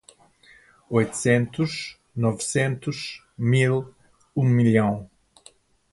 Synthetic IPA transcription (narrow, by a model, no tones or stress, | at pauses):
ojt̪u̥sẽnt̪uʃ | nɔvsẽnt̪uʃ | milˠ | ũmiljɐ̃w̃